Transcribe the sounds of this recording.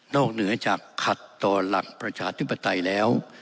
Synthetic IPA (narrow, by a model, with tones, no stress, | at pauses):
nɔː˥˩k̚nɯ˩˦ɐt͡ɕaː˨˩kʰːa˨˩t̪ːɔː˧la̰˨˩k̚pɾa˧t͡ɕʰaː˧t̪ʰi˦˥pːa˧t̪a˧jlɛː˦˥w